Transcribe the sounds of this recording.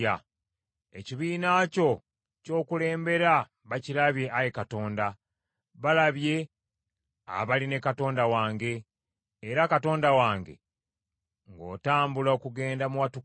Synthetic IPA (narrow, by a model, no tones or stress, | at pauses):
a | eciβiːnaːco̞ | co̞ːkule̞ːmbe̞ɾa | βacilaβje̞ʔajekato̞ːnda | βalaβje̞ | a̰βaline̞kato̞ːndawaːŋɡe̞ː | ɾakato̞ːndawaːŋɡe̞̰ | ŋɡo̞̰ːtaːmbulaokuɡe̞ːndamuwatu